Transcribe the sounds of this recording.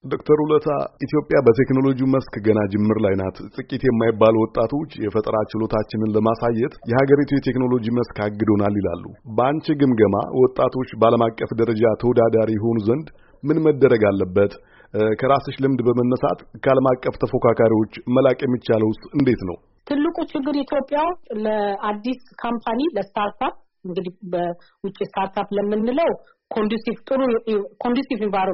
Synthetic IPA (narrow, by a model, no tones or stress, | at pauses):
d̪o̞kt̪ʰəɾulət̪ʰa̰ʔit̪ʰijo̞pʼːjabət̪ʰe̞kno̞lo̞d͡ʒiuməskɡənad͡ʒɪmːɨɾlajnat̪t̪ʼɨkʼit̪jɛmːajɪbːalwɔt̪ʼːat̪ʰo̞t͡ʃːjɛfət̪ʼɾat͡ʃɪlo̞t̪ʰat͡ʃːɪnɨnləmasajːɛt̪jɛhaɡəɾit̪ʰujɛt̪ʰe̞kno̞lo̞d͡ʒiməskaɡːɨd̪o̞nalːila̰lːṵbəant͡ʃɛɡɨmɡəma̰wʔɔt̪ʼːat̪ʰo̞t͡ʃːbəaləmakʼːəfd̪əɾəd͡ʒat̪ʰəwɔd̪ad̪aɾijɛɦo̞nuzənd̪ | mɨnməd̪ːəɾəɡalːəbːət̪ | kʰəɾasəʃlɨmd̪bəmənːəsa̰t̪kʰəaləmakʼːəft̪ʰəfo̞kʰakʰaɾiwo̞t͡ʃːməlakʼjɛmːit͡ʃːaləwsɨnd̪e̞t̪nə̰w | t̪ʰɨlːɨkʼut͡ʃːɪɡːɨɾit̪ʰjo̞pʼːjawʊst̪ləad̪ːiskʰampʰaniləst̪ʰaɾt̪ʰap̚ | ɨŋɡɨd̪ihbə | wʊt͡ʃʼːist̪ʰaɾt̪ʰapləmːɨnːɨləw | kʰond̪usift̪ʼɨɾukʰond̪jusivɪbaɾ